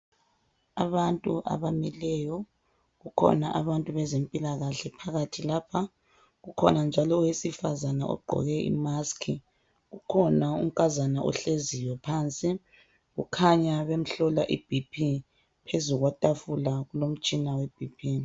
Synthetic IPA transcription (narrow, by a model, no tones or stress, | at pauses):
aβantʼuʔa̰βamɛlɛjɔ | ɣukʰɔ̰naʔaβantʼuβɛzempʼilaɣaɬɛpʰaɣatʰilapʰa | ɣukʰɔ̰nand͡ʒʱalɔwesifazanaʔɔ̰ɡ͡ǃʱɔ̰ɣɛḭmaskʰi | ɣukʰɔnaṵŋ̩kʼazanaʔɔ̰ɬezijwɛpʰant͡sʼi | ɣukʰaɲaβem̩ɬɔlaʔib̥ʱipʰi | pʰezuɣwatʼafulaɣulom̩t͡ʃʼinaweb̥ʱipʰiː